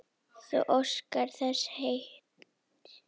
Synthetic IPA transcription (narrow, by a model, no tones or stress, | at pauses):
θɛ̰ʔɔskaɾθɛshejht̪